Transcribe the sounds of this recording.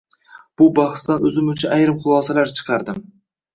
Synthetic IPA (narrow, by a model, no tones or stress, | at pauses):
b̥ʊbɑχst̪anɵzɪmʊt͡ʃʰɪʔajɾɪmχʊlˠɒsalaɾt͡ʃʰɨ̥qʰɑɾd̪ɪm